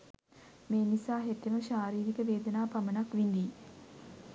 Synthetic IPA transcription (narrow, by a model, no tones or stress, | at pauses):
meːnisaːɦet̪jiməʃaːɾiːɾikəʋeːd̪ənaːpamənakʋind̪iː